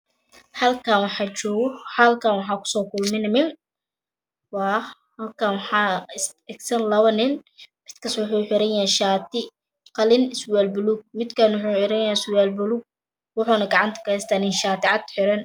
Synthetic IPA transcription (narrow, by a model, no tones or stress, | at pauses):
hɐlkʰaːnwɑħɑt͡ʃɔːɣħɐlkʰaːnwɑħɑːkʰʊ̥sɔːkʰʊlmɪnmɪn | wɑː | hɐlkʰanwɑħɑːɪsɛɡsɐnlɐwɐnɪnmɪd̪kʰɐswʊħujħɪɾɐnjɛhɛʃaːt̪ʰɪ | qɑlɪnɪswɛːlbʊluːɡ̚mɪd̪kʰaːnwʊħuːħɪɾɐnjɛɪswɛːlbʊluːɡ̚ | wʊħʊnɐɡɑʕɑnt̪ʰɐ̥kɐɛst̪ʰɐnɪnʃaːt̪ɪʕɑd̪ħɪɾɐn